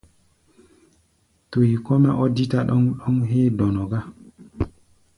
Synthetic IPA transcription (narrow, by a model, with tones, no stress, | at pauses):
to˨ji˨kɔ˦mɛ˦ʔɔ˦di˦ta˨ɗɔ˦ŋɗɔ˦ŋɦeː˦dɔ˨nɔ˨ɡa˦